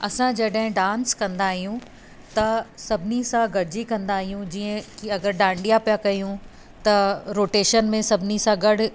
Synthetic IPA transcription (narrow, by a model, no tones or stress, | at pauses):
ɐsãd͡ʑɐɗɦɪ̃ɖãːnskɐ̃nd̪aːɦijũ | t̪ɐsɐbʱɪnisãɡɐɽ̤ʱd͡ʑikɐ̃nd̪aːɦijũd͡ʑiːə̃kiɐɡəɾɖãːɳɖijapjakɐijũ | t̪ɐɾoːʈeːʃənmẽsɐbʱɪnisãɡɐɽ̤